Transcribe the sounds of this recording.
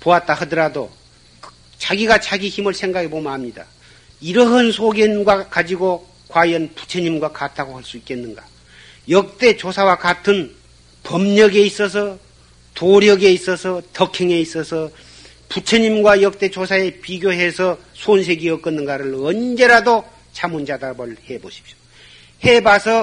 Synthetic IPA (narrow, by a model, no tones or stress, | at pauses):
poat̚t͈aɦɯdɯɾado̥ | t͡ɕaɡiɡat͡ɕaɡiçimɯɭsʰe̞ŋɡaɡʰebomaamɲida̰ | iɾʌɦansʰoɡjʌnɡwakad͡ʑiɡo | kwajʌnpu̥t͡ɕʰeɲimɡwakatʰaɡohaɭs͈uik͈e̞nːɯnɡa | jʌk̚t͈e̞t͡ɕosʰawakatʰɯn | pʌmɲʌɡe̞is͈ʌsʰʌ | toɾjʌɡe̞is͈ʌsʰʌtʌkʰeŋe̞is͈ʌsʰʌ | put͡ɕʰeɲimɡwajʌk̚t͈e̞t͡ɕosʰae̞piɡjoɦe̞sʰʌ | sʰons̬ʰe̞ɡiʌk͈ʌnːɯnɡaɾɯɭʌnd͡ʑe̞ɾado | t͡ɕʰamund͡ʑadabʌɭhe̞boɕʰi̥p̚ɕo̥ | he̞basʰʌ